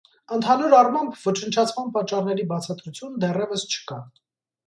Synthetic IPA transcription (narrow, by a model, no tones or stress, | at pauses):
ənt̪ʰɑnuɾɑrmɑmbʰvɔt͡ʃʰənt͡ʃʰɑt͡sʰmɑnpɑt͡ʃːɑrnɛɾibɑt͡sʰɑt̪ɾut͡sʰjunəd̪ɛrɛvəst͡ʃʰə̥kɑ